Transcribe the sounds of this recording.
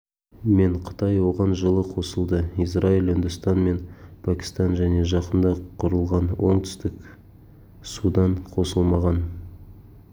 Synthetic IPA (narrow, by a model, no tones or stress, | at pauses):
me̞ɴqʰə̥t̪ɑjwo̞ʁɑnʒəlˠəqʰo̞səlˠd̪əisrailɪnd̪ʊst̪ɑnme̞npʰækʲi̥st̪ɑnʒæne̞ʒɑqənd̪ɑqʰʊɾəlˠʁɑnwo̞ɴt̪ʰʏ̥st̪ɪk | sud̪ɑɴqʰo̞səlˠmɑʁɑn